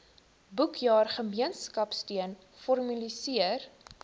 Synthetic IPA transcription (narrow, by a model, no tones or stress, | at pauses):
bukʰjɑːrχəmiənskɐpstiən | fɔrmylisiər